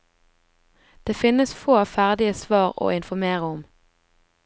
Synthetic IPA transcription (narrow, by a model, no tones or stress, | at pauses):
d̪̥eːfɪnəsfoːfæʁd̪ɪəsʋɑːʁo̰ːɪnfɔmeːʁəɔm